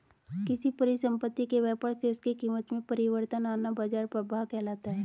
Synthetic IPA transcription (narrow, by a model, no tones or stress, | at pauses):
kɪsipɐɾɪʃə̃mpət̪ːikeʋɛːpəɾseʊskikiːmət̪mẽpɐɾɪʋəɾt̪ənaːnabaːd͡ʒaːɾpɾəbaːɦkɛːlaːt̪aɦɛː